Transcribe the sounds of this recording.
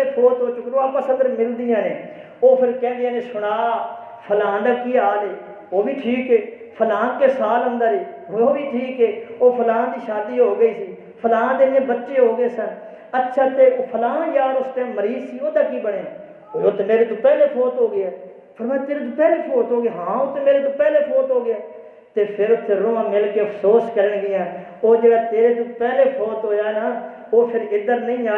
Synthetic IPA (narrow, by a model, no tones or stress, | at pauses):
eːpʰoːt̪oːt͡ʃʊkɾoːaːpəsəd̪əɾmɪld̪ɪjãːnḛː | oːpʰɪɾkɛ̃ːnd̪ɪjãːneːsʊɽ̃aː | pʰəlãːd̪aːkiːaːleː | oːbiːʈʰiːkeː | pʰəlaːkeːsaːlɦʊ̃nd̪aːɾiː | ɦooːbiːʈʰiːkeːoːpʰəlãːd̪iːʃaːd̪iːɦoːɡəiːsiː | pʰəlãːd̪eːnẽːbətːʃeːɦoːɡeːsən | ətːʃʰaːt̪eːoːpʰəlaːãːjaːd̪ʊst̪ẽːməɾiːzsiːoːd̪aːkiːbəɽeː | oːt̪ːeːmeːɾeːt̪ũːpɛːleːpʰoːt̪ɦoːɡɪɛː | pʰəɾmaːjt̪eːɾeːt̪ũːpɛːleːpʰoːt̪ɦoːɡeːɦãːot̪ːmeːɾeːt̪̬õːpɛːleːpʰoːt̪ɦoːɡɪaː | t̪eːpʰɪɾʊt̪ʰːeːɾõːãːmɪlkeːəpʰsoːskəɾəɳɡɪãː | oːd͡ʒeːɡaːt̪eːɾeːt̪ũːpɛːleːpʰoːt̪ɦoːd͡ʒaːenãː | oːpʰɪɾɪd̪əɾnəĩːaː